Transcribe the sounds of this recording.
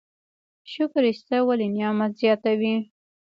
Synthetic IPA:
ʃʊkɾɪst̪awalinijɑmat̪zjɑt̪awi

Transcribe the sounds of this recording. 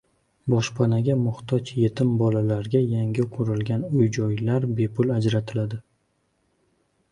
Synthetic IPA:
bɒʃpʰanaɡʲamʊχt̪ʰɒt͡ʃje̞t̪ʰɪmbɒlalaɾɡʲajaŋɡʲɪqʰʊɾɪlɡʲanʊjd͡ʒɒjlaɾbe̞pʰʊlad͡ʒɾat̪ʰɪlad̪ɪ

